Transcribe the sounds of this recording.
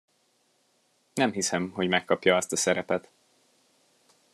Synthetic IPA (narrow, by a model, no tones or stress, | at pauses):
nɛmɦisɛmɦo̞ɟmɛkːɒpjɒɛst̪ɒsɛɾɛpɛt̪